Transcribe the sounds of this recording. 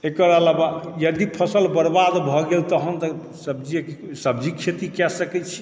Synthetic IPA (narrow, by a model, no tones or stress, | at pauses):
ekəɾalabajəd̪ipʰəsəlbəɾbad̪bʱɔɡelt̪əɦənt̪ɔ | səbd͡ʒiksəbd͡ʒikʰet̪ikɛsəkɛt͡ʃʰi̥